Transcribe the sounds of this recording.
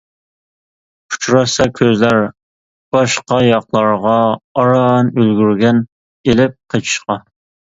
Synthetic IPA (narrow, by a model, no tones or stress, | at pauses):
u̥t͡ʃʰɾɑsɑkʲʰøzlæɾ | b̥ɑʃqɑjɑqlˠɑɾʁɑːɾɑnølɡʲyɾɡʲɛn | elɪp̚qʰet͡ʃʰi̥ʃqɑ